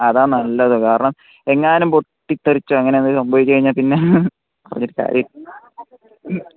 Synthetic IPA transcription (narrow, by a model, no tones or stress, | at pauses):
ɐðaːnɐlːɐðɨkaːɾɐɳɐm | e̞ŋːaːnumpoʈːit̪ːɐrit͡ɕːuɐŋːɐneɐndɨsɐmbɐʋit͡ɕːkɐjiɲːaːpinːe | pɐrɐɲːoɾuka̰ːɾjɐm